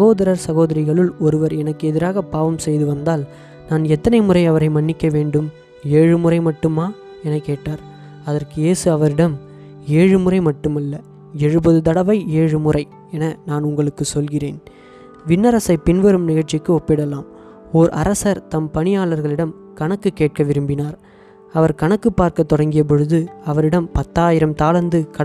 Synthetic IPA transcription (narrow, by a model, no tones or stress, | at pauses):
ɐɣoːðɐɾɐɾsɐɣoːðɐɾɪɣɐɭɯlɔɾɯʋɐɾɛnɐkːɯɛðɪɾaːɣɐpaːʋɐmsɛjðɯʋɐnd̪aːl | naːnɛt̪ːɐnɐɪmɯrɐɪɐʋɐɾɐɪmɐɳːɪkːɐʋeːɳɖɯm | eːɻɯmɯrɐɪmɐʈːɯmaː | ɛnɐkːeːʈːaːɾ | ɐðɐrkɯjeːsɯɐʋɐɾɪɽɐm | eːɻɯmɯrɐɪmɐʈːɯmɐlːɐ | ɛɻɯbɐðɯt̪ɐɽɐʋɐɪeːɻɯmɯrɐɪ | ɛnɐnaːnʊŋɡɐɭɯkːɯsɔlɣɪreːn | ʋɪnːɐɾɐsɐɪpɪnʋɐɾɯmnɪɣɐɻt͡ʃːɪkːɯɔpːɪɽɐlaːm | ɔɾʔɐ̰ɾɐsɐɾt̪ɐmpɐnɪjaːlɐɾɣɐɭɪɽɐm | kɐnɐkːɯkːeːʈ̚kɐʋɪɾɯmbɪnaːɾ | ɐʋɐɾkɐɳɐkːɯpːaːɾkɐt̪ːɔɽɐŋɡɪjɐp̬ɔɻɯðɯɐʋɐɾɪɽɐmpɐt̪ːaːjɪɾɐmt̪aːlɐnd̪ɯkɐ